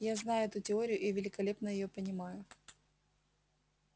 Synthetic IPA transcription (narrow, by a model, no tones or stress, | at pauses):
jaznajʊɛt̪ʊtʲɪo̞ɾʲɪjʊʔivʲɪlʲɪkɐlʲe̞pnəjɪjo̞pənʲɪmajʊ